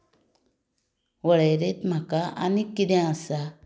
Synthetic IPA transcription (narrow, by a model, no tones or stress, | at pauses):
wəɭəjɾet̪m̤akaa̰nikid̪ɛ̃asa